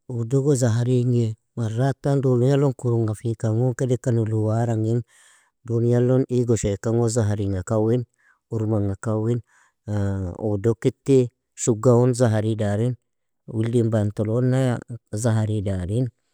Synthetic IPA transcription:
udoɡozaɦaɾiŋe | maɾatandolujaloŋkuɾuŋafikaŋoŋkedekanuluwaɾaŋin | donjaloniɡoʃekaŋozaɦaɾiŋakawin | uɾmaŋakawin | udokitːi | ʃuɡaonzaɦaɾidaɾin | wildimbantolonːaazaɦaɾidaɾin

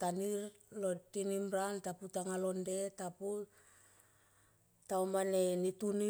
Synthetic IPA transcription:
taniɾ | lo̞tinimɾantaputaŋalo̞nde̞tapu | tawmane̞nituni

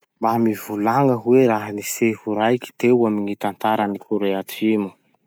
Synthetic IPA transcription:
bamivulaŋəɦuweɾaɦanisefuɾajki̥t̪ewamiŋit̪ant̪aɾənikuɾeat̪imu̥

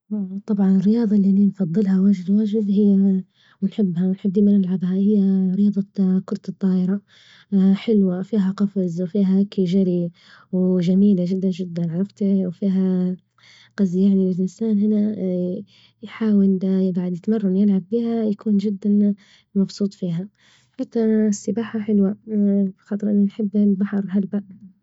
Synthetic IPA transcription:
t̪ˤːɑbʕɑnɪrːɪjɑːðˤɑliʔaninfɑðˤːɨlhawaʒd̪waʒd̪ɦɪjːa | wɪnħɪbːhawnħɪb̪ːiːmanɪlʕɑbhahɪjːaɾɪjɑːðˤɑkʊɾˤt̪t̪ˤːɑːʔɪɾa | ħɪlwafiːɦaqɑfzwfiːɦakɪʒaɾi | wʒamiːlaʒɪd̪ːand͡ʒɪd̪ːanʕɑɾˤɑft̪wfiːɦa | qɑzjaʕniɪlʔɪnsaːnɦɪna | jħaːwɪljɪɡʕad̪jɪt̪mɑrˤːɑnjɪlʕabbiːhajakʰuːnd͡ʒɪd̪ːan | mɑbsˤuːt̪ˤfiːɦa | ħat̪ːaʔasːɪbaːħaħɪlwabxɑːt̪ˤɨɾʔɪnːinħɪbːlbaħɑɾˤɦalbaʔ

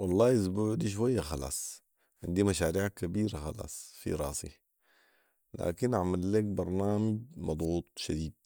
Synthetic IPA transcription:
wɑlˤːɑːɪs̬buːʕd̪iʃ̬wajːaxɑlɑ̰ːsˤ | ʕɪnd̪imaʃaːɾiːʕakabiːɾaxɑlɑ̰ːsˤfḭɾˤɑ̰ːsḭ | la̰ːkinʔʕamalːeːk̚bɑɾˤnaːmɪd͡ʒmɑd̪ˤɣuːt̪̚ˤʃad̪iːd̪̚

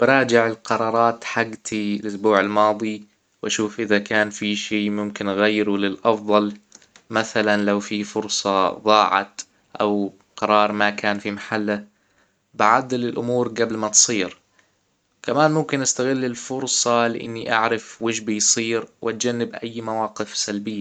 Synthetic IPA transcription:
b̥ɪɾˤɑːd͡ʒɪʕɪlqɑɾˤɑːɾˤɑːt̪ħaɡt̪ʰilʔʊsbuːʕalmɑːd̪ˤi | wʔaʃuːfʔɪðakaːnfiʃiːmʊmkɪnʔɣajːɾulɪlʔɑfðˤɑl | maθalanlawfifʊɾsˤɑðˤɑːʕɑ̰t̪ | ʔa̰w | qɑɾˤɑːɾˤmakaːnfimaħalːa | baʕad̪ːlɪlʔʊmuːɾɡablmat̪sˤiːɾ | kamaːnmʊmkɪnʔast̪aɣɪlːɪlfʊɾsˤɑlɪʔɪ̰nːiʔa̰ʕɾɪfwɪʒbijsˤiːɾwʔat̪̚d͡ʒanːɪbʔa̰jːmawɑːqɪfsalbɪjːa

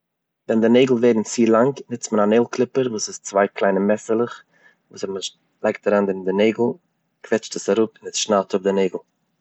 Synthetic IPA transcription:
vɛndɪneɪɡl̩ˠveɪdn̩t͡siːlˠaŋknɪt͡stmənaneɪlˠklˠɪpəɾvuːsɪst͡svaɪklˠaɪnəmɛsəlˠəχ | vuːsɛmə | lˠaɪk̚taɾandɪɪndɪneɪɡl̩ˠ | kvɛt͡ʃtəsaɾʊpɪnɪsʃnalˠtʰʊb̚dɪneɪɡl̩ˠ

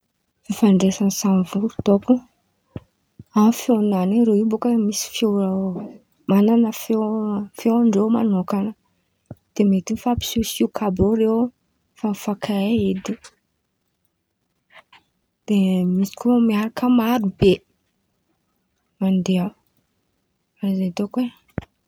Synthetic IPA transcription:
fefaɳɖ͡ʐesansanvuɾut̪oku | afonaniɾewibokəmisi̥fjea | mananəfefeaɳɖ͡ʐewmanokanə | d̪̥emet̪infapi̥susukʰabowɾew | fafakʰaeed̪i | d̪̥emisi̥kumiaɾakəmaɾube | mand̪ea | azet̪okwe

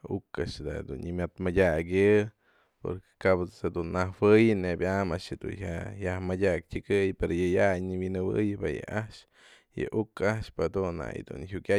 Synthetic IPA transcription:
ukaʔʂd̪ad̪unɲimʲat̪madʲakjɨ | po̰ɾke̥kabed̪unːawɨjɨnebʲʔamaʔʂɨd̪ṵnɦaʔjahmadʲak̚tʲɨɡɨjpeɾojɨjajniwinɨbɨ̰jbajɨ̰ʔaʔʃ | jɨ̰ʔukaʔʃpad̪unːa̰j̰d̪unɦjukʲa

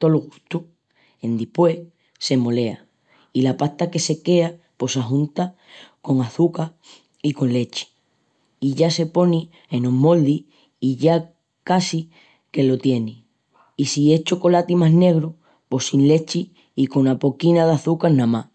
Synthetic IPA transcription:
t̪o̞loɣut̪u | end̪ihpwe̞ | se̞mo̞le̞a̰ | ilapaht̪ake̞se̞ke̞a | po̞saɦũnt̪a | ko̞ŋaθuka | iko̞nle̞t͡ʃi̥ | iʝase̞po̞ni | e̞nomo̞ld̪i | iʝa | kasi | ke̞lo̞t̪je̞ni | isie̞t͡ʃoko̞lat̪imaɦne̞ɣɾo | po̞sinle̞t͡ʃiː | ko̞napo̞kinaðaθukaɾnãma

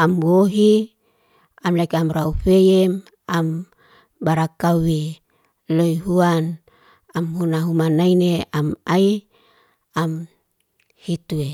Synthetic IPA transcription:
amwoɦi | amlakamɾaufejem | am | baɾakawe | loiɦuan | amhunaɦumanaineʔamai | am | hit̪ue

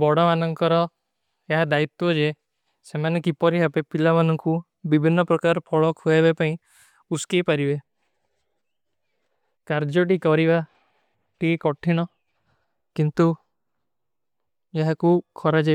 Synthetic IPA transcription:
bɔɽɔmanɔŋkɔɾɔ | eɦad̪ait̪ːɔd͡ʒe | semanekipɔɾiɦapepilamanɔŋku | bibʱinːɔpɾɔkaɾɔpʰɔɭɔkɦuabepaĩ | uskejpaɾibe | kaɾd͡ʒɔʈikɔɾiba | ʈikɔʈʰiñɔ | kint̪u | eɦakukʰɔɾad͡ʒa

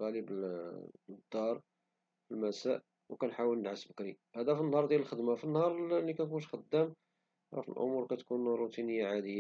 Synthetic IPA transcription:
ɣæləb | d̪ːɑɾˤ | fəlmæsæʔ | wkænħawəlnəʕasbəkɾihæd̪æfinːhɑɾˤd̪jæləlxəd̪mafənːhɑɾˤlːikænkunʃxəd̪ːæm | ɾˤɑ̰fḭlʔʊ̰muɾkæt̪kunɾˤut̪inəjːaʕad̪əjː

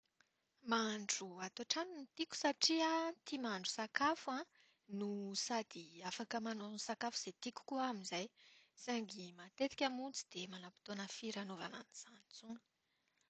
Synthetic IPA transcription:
maɳɖ͡ʐuat̪oʈ͡ʂaninit̪ikʲu̥saʈ͡ʂiət̪imaɳɖ͡ʐu̥sakafã | nusad̪iafakəmanonisakafuz̥et̪ikʲu̥kuamizajsaŋɡimat̪et̪i̥kʲamunt͡si̥d̪̥emanapi̥t̪onəfiɾanova̰na̰niz̥anit͡sunə̥

